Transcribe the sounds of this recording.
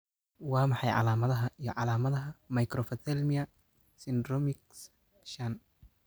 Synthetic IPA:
wɑːmɑħɑjʕɑ̰laːmɐðɐɦɐʔijɔʕɑlaːmɐðɐɦɐmɐjkɾɔfɐt̪ʰɛlmɪɐ | sɪnd̪rɔmɪks | ʃɐn

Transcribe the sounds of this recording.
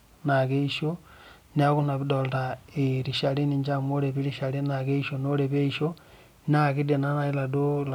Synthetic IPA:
nakeiʃo | niakunaβidoltaeɾiʃaliniɲd͡ʒamoɾeβiɾiʃalinakeiʃonoɾeβeiʃo | nakidenanailadola

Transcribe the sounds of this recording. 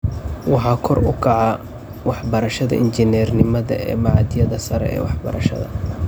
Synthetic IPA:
wɑħɑːkʰɔrʊkʰɑʕɑ | wɑħbɐɾɐʃɐðɐ̰ʔɪnt͡ʃɪnɛːrnɪmɐðɐ̰ɛ̰ːmɑʕɑd̪ɪjɐðɐsɐɾɛ̰ɛ̰ːwɑħbɐ̰ɾɐ̰ʃɐ̰ðɐ̰

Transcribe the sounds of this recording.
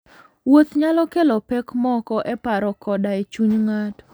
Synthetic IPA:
wot̪ɲalɔkɛlɔpɛkmɔkɔʔɛpaɾɔkɔdaet͡ʃuɲŋat

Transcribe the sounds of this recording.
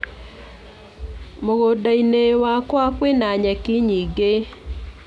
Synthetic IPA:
moɣodainewakwakwenaɲɛkɪɲiɡe

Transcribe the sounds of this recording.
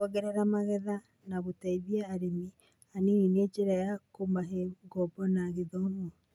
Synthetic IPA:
ɔɣɛɾɛɾamaɣɛða | naɣotaiβiɛːɾemi | aneined͡ʒeɾajakomaɦeɡɔbɔnaɣeðɔmɔ

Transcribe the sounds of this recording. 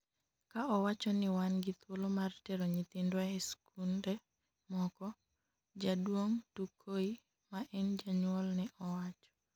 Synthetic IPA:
kaɔwat͡ʃɔnɪwanɡɪt̪wolomartɛɾoɲit̪ɪndwaeskunde | mɔkɔ | d͡ʒadwoŋtukʰoi | maʔɛnd͡ʒaɲwɔlnɛʔɔwat͡ʃɔ̥

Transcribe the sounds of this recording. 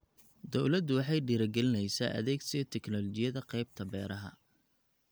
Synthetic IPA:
d̪ɔwlɐd̪wɑħɑjɖiːɾɐɡɛlɪnɛjsa̰ːʔɐ̰ðɛːɡsiɛt̪ʰɛknɔlɔt͡ʃɪjɐðɐqɑjb̚t̪ʰɐbɛːɾɐɦɐ̰

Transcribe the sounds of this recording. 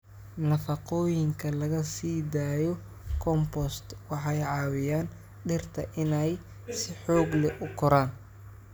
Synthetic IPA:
nɐfɐqɔːjɪŋkʰɐlɐɣɐsiːd̪aːjɔ | kʰɔmpɔst̪wɑħɑjʕɑːwɪjaːn | ɖɪrt̪ʰɐʔɪnɛj | sɪħɔːɡlɛʔʊkʰɔɾaːn

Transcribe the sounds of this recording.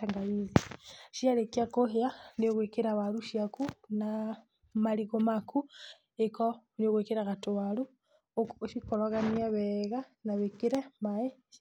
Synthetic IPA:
taŋɡaβiziʃialekakohianioɣwekeɾaβaluʃiakuna | maliɣomakʰu | ekonioɣekeɾaɣatowalu | ʃikolaɣaniaβeɣanaβekiɾemae

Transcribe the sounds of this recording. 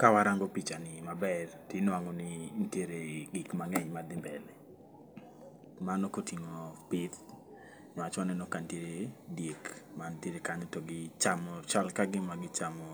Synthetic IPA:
kawaɾaŋɡopit͡ʃanɪmabɛrtinwaŋɔnɪntjeɾeɡikmaŋɛɲmad̪ɪmbɛlɛ | manokotiŋopɪt̪ | ɲwat͡ʃanɛnɔkanteɾedjekmanteɾekaɲɔtɔɡɪt͡ʃamɔt͡ʃalkaɡɪmaɡɪt͡ʃamɔ

